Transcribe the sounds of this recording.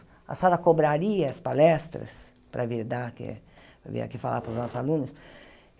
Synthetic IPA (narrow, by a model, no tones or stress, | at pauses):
a̰salɐkobɾaɾiɐɐspalɛst̪ɾɐ̰s | pɾʔɐviɾd̪akɪ̰ | vḭa̰kifa̰lʔa̰pɾʊznɔsʊzalũnʊs